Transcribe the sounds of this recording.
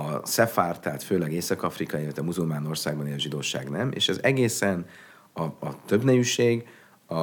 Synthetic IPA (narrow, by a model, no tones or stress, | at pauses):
ɒsɛfaːrt̪aːt̪føːlɛɡeːsɒkɒfrikɒjilɛt̪ʋɛmuzulmaːno̞rsa̰ːɡ̚bɒneːʃʒid̪oːʃa̰ːɡnɛmḛːʃɛzɛɡeːsɛn | ɒɒt̪ø̞bnɛjyʃeːɡ | ɒ